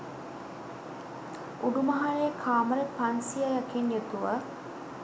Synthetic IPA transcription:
uɖumɐɦɐɾejkʰaːməɾepɐnsijajɐkenjet̪uʋə

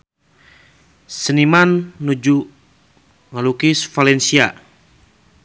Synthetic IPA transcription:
sənimanːud͡ʒu | ŋalukisfalɛnsia

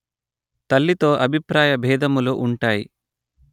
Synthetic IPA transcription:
t̪ɐlːit̪o̞ːʔɐbʱipɾaːjɐbʱɛːd̪ɐmuluʔuɳʈaːjḭ

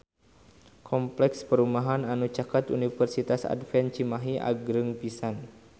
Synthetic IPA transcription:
kʰɔmplɛkspəɾumaɦananut͡ʃakat̪unifərsit̪asa̰dfɛnt͡ʃimaɦiʔa̰ɡɾɨŋpisan

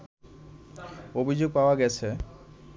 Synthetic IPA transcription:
obʱid͡ʑoɡ̚paoaɡɛt͡ɕʰe

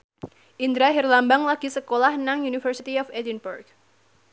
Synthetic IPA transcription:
ʔind̪ɾaɦirlambaŋlaɡ̥i̤səkolahnaŋjunifərsit̪iɔfedinburɡ

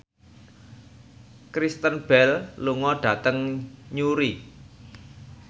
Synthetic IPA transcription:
kɾist̪ənb̥ɛlluŋɔɖ̥a̤t̪əŋɲuɾi

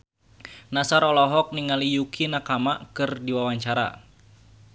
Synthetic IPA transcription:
nasaɾɔlɔɦɔk̚niŋalijukʰinakamakɨrdiwawaɲt͡ʃaɾa̰

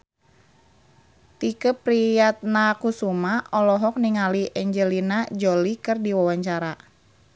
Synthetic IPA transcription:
t̪ikəpɾijat̪̚nakusumaɔlɔɦɔk̚niŋaliʔɛɲd͡ʒəlinad͡ʒɔlikɨrdiwawaɲt͡ʃaɾa

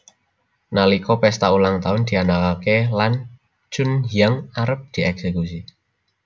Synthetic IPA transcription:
nalikɔpɛst̪aulaŋt̪aʊnd̪̥i̤anakakelan | t͡ʃʊnhiaŋaɾəp̚d̪̥i̤ɛksekusi

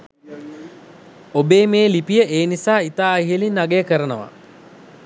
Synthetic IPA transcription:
obeːmeːlipijəʔeːnisaːit̪aːiɦelinːaɡejəkəɾənəʋa̰

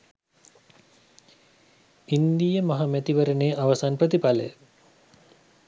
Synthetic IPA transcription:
ind̪ijəmaɦamæt̪iʋəɾəneːʔaʋɐsanprət̪ipalə̰jə

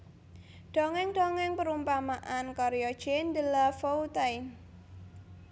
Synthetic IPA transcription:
d̥o̤ŋɛŋɖ̥oŋɛŋpəɾumpamaʔankɔɾejɔd̥ʒ̥end̪əlafout̪ajn

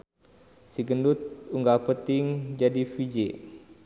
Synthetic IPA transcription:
siɡəndut̪̚uŋɡapət̪ɪŋd͡ʒadifid͡ʒe

